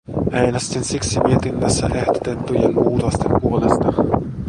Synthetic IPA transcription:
ʔejnæst̪insiksimiet̪inːæsːæ̰ʔe̞hd̪o̥t̪et̪ːujenʔuːt̪ost̪e̞mpuo̞le̞st̪ɑ

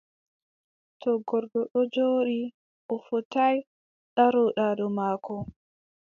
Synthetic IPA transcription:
tɔɡɔɾɡɔɗɔd͡ʒoːɗi | ʔɔfɔtaj | ɗaɾɔɗaɗɔmaːkɔ

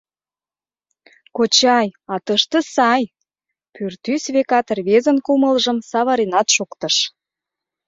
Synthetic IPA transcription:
kot͡ɕɑjɑt̪əʃt̪ə̆sɑj | pyrt̪ysβekɑt̪rβezənkuməlʒəmsɑβɑɾenɑt̪ʃokt̪əʃ

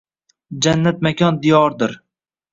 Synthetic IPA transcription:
d͡ʒanːat̪̚makʲʰɒnd̪ijɒɾd̪ɪɾ

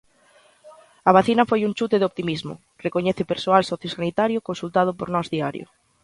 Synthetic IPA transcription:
ɐaβ̞aθinɐfojunt͡ʃut̪eðɪop̚t̪imizmʊ̰ | rekoɲɛθepeɾsoalsɔθjosanit̪aɾjʊkonsult̪að̞ʊpoɾnɔzðiaɾjʊ̰

